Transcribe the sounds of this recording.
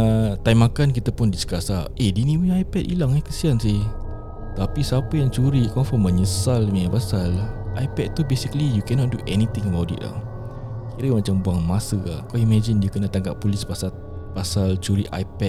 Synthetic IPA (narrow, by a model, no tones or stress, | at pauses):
ət̪ajmakankit̪apʊndiskasaediniwajpɛtḭlaŋɛhkəsiansɪh | t̪apisapəjaŋt͡ʃuɾikɔmfɔmə̃ɲəsalmĩapasalʔajpɛd̪̚t̪ubesikəlijukɛnɔt̪̚duʔɛnit̪ɪ̃ŋəbawʔtdḭʔla̰h | kiɾəmat͡ʃambuaŋmasəa̰kaimɛd͡ʒinjukənət̪aŋɡa̰ʔpːulɪspasa | pasalt͡ʃuɾiʔa̰jpɛt̚